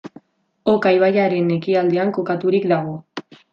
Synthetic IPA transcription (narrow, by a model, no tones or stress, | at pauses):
okajβajaɾe̞ne̞kiald̪e̞aŋko̞kat̪uɾikd̪aɣ̞o̞